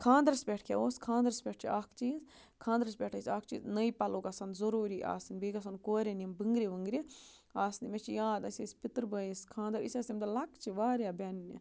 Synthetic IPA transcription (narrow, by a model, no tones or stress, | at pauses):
kʰãːnd̪ɾsbʲeʈʰkʰḛoːskʰãːnd̪əɾspʲeʈʰt͡ʃʰiʔaːkʰt͡ʃiːz | kʰãːnd̪əɾsbʲeʈʰɐsʲaːk̚ʰt͡ʃḭːznəjpɐlokɐsɐnd̪zɐɾuːɾiːʔa̰ːsinbiːɡɐs̬ɐnkoːɾʲenʲimbəŋɡɾiʋəŋɡɾi | aːsnimet͡ʃʰijaːd̪ɐsʲesʲpit̪ɾbəːjiskʰãːnd̪ɐɾḭsʲasimt̪ɐlɐkt͡ʃʰiʋaːɾjabɛnnḭ